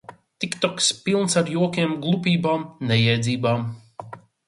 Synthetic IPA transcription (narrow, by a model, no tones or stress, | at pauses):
t̪ikt̪ɔkspilˠnsaɾjuɔkʲiɛmɡlˠupʲiːbaːmnɛjɛjd̪ziːbaːm